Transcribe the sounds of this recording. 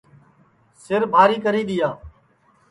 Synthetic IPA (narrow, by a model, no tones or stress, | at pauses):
sɪɾbʱaːɾiːkəɾiːɗ̪ɪjaː